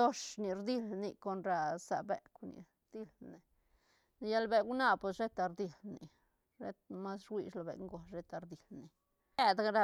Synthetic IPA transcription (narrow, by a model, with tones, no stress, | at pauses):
o˦ʂni˧˨ɾd̪i˧lni˧ko˧nɾa˧sa˨bḛ˨knḭ˨ | d̪̥i˧lne˨ | n˧ja˦lbe˧wna˧po˨sʃe˦t̪a˧ɾd̪i˧lnḭ˨ | ɾe˦t̪̚ma˦sɾwi˧ʃlo˨bḛ˨ŋɡo˨ɾe˦t̪a˧ɾd̪i˨lni˨ | e˧d̪ɾa˧